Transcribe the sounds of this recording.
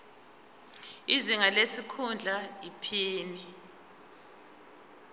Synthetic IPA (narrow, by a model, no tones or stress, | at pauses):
iziŋalesikʰund͡ɮʱaipʰiːni